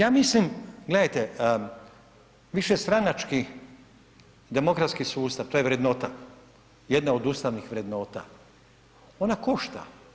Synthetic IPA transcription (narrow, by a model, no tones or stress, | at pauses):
jaːmislimɡle̞d̪ajt̪e | ʋiʃest̪ɾanat͡ʃki | d̪e̞mo̞kɾat̪skisuːst̪aʋt̪ojʋɾe̞d̪no̞ːt̪a | je̞d̪naod̪ust̪aʋnixʋɾe̞d̪no̞ːt̪a̰ | o̞nako̞ʃt̪a̰